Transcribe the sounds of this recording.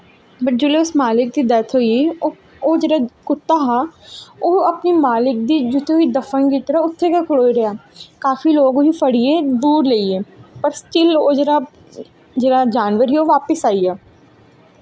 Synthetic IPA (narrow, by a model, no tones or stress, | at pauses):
pəɾd͡ʒʊːleʊsmaːlɪk̚d̪iːd̪ɛt̪ʰɦoːieo | oːd͡ʒeːɾakʊt̪ːaːɦaːoːɐpnimaːlɪk̚d̪iːd͡ʒʊt̪ʰːeʊid̪əfənkit̪ɾaʊt̪ʰːekakʰʊloːiɾɐjaːkaːfiloːɡɦifəɽied̪uːɾleːieːpəɾsʈɪloːd͡ʒeːɾa | d͡ʒeːɾad͡ʒaːnʋəɾɦioːʋaːpəsaːiaː